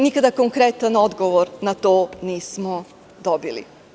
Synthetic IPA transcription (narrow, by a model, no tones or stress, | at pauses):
nikad̪akoŋkɾet̪anod̪ɡoʋoɾnat̪oːniːsmo | d̪obilḭ